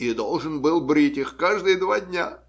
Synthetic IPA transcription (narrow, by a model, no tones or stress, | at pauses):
id̪olˠʐɨnbɨlˠbɾʲitʲɪxkaʐd̪ɨjəd̪vadʲnʲa